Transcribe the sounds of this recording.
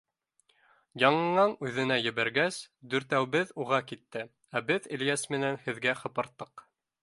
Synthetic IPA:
jɑɴɤ̆ɴɑɴʉðɘ̆næjɘ̆βæɾɡæsd̪ɵ̆ɾt̪æwbɘðuʁɑkit̪ːɘ | æbɘðĭljæsmɘ̆nænhɘ̆ðɡæχɤ̆pɤ̆ɾt̪ːɤq

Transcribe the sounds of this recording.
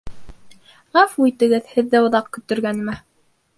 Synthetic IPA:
ʁɑfuijt̪ɘ̆ɡɘðhɘ̆ðːæŏðɑqkɵ̆t̪ɵ̆ɾɡænmæ

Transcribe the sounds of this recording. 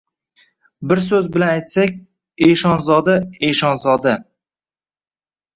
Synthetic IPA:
bɪɾsɵzbɪlanajt̪sakʲ | eʃɒnzɒd̪aeʃɒnzɒd̪a

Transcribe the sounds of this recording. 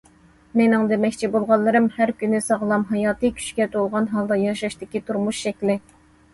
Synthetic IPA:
menɪŋd̪emɛkʲt͡ʃʰibolˠʁɑnlˠːɨɾɨmhæɾkʲynːɪsɑʁlˠɑmɦɑjɑːt̪ɨkʲʰy̥t͡ʃkʲɛt̪ʰolˠʁɑnɦɑlˠd̪ɑjɑʃɑʃt̪ɪkʲit̪ʰuɾmuʃʃɛkʲlɪ

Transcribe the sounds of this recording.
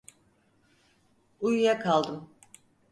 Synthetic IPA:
ujujakʰalˠd̪ɯm

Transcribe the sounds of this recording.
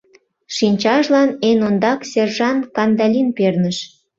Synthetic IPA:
ʃinʲt͡ɕɑʃlɑnenond̪ɑksʲerʒɑnkɑnd̪ɑlʲinpernəʃ

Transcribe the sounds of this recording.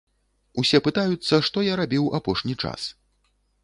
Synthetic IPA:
usʲɛpɨt̪ajut̪sːɐʂt̪ɔjaɾabʲiwapɔʂnʲit͡ʂa̰s

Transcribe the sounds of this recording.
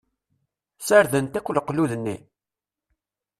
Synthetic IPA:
səɾðənt̪ækʷːlqːluðənːi

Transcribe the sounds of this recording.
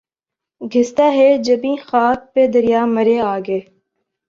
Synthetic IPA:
ɡʱɪst̪aɦɛd͡ʒɐbĩxaːk̚ped̪ɐɾijaːmɐɾeaːɡeː

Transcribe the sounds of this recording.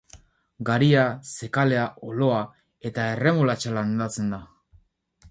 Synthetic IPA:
ɡaɾiase̞kale̞aʔolo̞a | e̞t̪aere̞mulat͡ʃaland̪at͡se̞nd̪a

